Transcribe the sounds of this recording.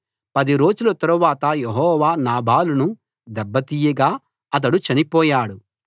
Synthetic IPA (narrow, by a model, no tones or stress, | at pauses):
pɐd̪iɾo̞ːd͡ʒulɐt̪ɐɾuʋaːt̪ɐjeɦɔːʋaːnaːbʱaːlunu | d̪ɛbːɐt̪iːjɐɡaː | ɐt̪̬ɐɽut͡ʃɐnipɔːjaːɽu